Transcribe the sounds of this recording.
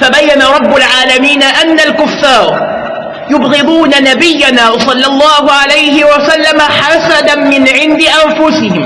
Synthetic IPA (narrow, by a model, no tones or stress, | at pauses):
fabajːanaɾˤɑbːʊlʕaːlamiːnaʔanːalkʊfːɑːɾˤ | jʊbɣɪd̪ˤuːnanabɪjːanaːsˤɑlːɑlˤːɑːhʊʕalajhɪwasalːamaħasad̪amɪnʕɪnd̪ɪʔanfʊsɪhɪm